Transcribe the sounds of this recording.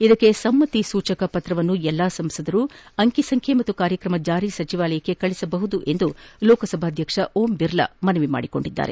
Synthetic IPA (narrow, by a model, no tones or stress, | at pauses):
id̪ɐkːesɐmːɐt̪isuːt͡ʃɐkɐpɐt̪ɾɐʋɐnːuɛlːaːsɐmsɐd̪ɐɾuːɐŋkisɐŋkʰjemɐt̪ːukaːɾjɐkɾɐmɐd͡ʒaːɾiːsɐt͡ʃiʋaːlɐjɐkːe̞kɐɭisɐbɐɦud̪uʔe̞nd̪ulɔːkɐsɐbʱaːd̪ʱjɐkʂɐʔoːmbiɾlɐ̰mɐnɐʋima̰ːɽiko̞ɳɖid̪ːa̰ːɾḛ